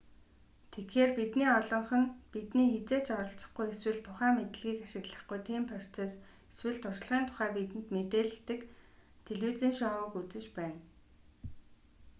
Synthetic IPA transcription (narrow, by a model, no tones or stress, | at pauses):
t̪ʰetxeːrpit̪niːɔɮɞ̆ɴχɞ̆npit̪niːxet͡seːt͡ɕɔɾɞ̆ɬt͡sə̆χɡujeswɘ̆ɮt̪ʰʊχæːmet̪ɘ̆ɮɣiːkaʃɪ̆ɣɮə̆χɡujt̪ʰeːmpʰœr̥t͡seːs | eswɘ̆ɮt̪ʰʊrʃ̆ɮʁiːnt̪ʰʊ̥χæːpit̪ɘ̆nt̪met̪eːɮɘ̆t̪ɘ̆k | t̪ʰeɮwuːt͡siːnʃɔʊ̆kut͡sɘ̆t͡ɕpæːn